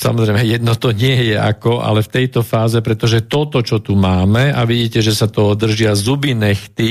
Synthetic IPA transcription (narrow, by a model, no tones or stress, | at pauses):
sa̰mɔzɾɛjmɛjɛd̪nɔt̪ɔɲɪɛjɛa̰kɔʔa̰lɛft̪ɛjt̪ɔfaːzɛpɾɛt̪ɔʒɛt̪ɔt̪ɔt͡ʃɔt̪umaːmɛaʋiɟiːcɛʒɛsat̪ɔɔd̪r̩ʒɪazubinɛxt̪i